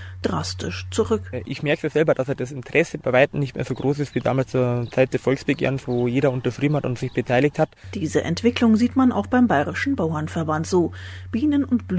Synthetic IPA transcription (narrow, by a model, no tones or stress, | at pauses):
d̥ʁastɪʃt͡suʁʏkʔɪçmɛɐkəz̥ɛlbɐdaseːɐdasɪntʁ̥ɛsəbaɪvaɪtn̩nɪçtmḛːɐz̥oːɡʁoːsɪstv̥iːda̰ːmalst͡suːɐt͡saɪt̚d̥ɛɐfɔlksb̥əɡḛɐnsvoːjeːɾɐʊntɐʃʁ̥iːbm̩hatʊntz̥ɪçb̥ətʰaɪlɪçthatd̥iːzəʔɛ̰ntv̥ɪklʊŋziːtmana̰ʊxb̥aɪmbaɪʁɪʃn̩baʊɐnfɛɐbantz̥oːb̥iːnənʊntb̥l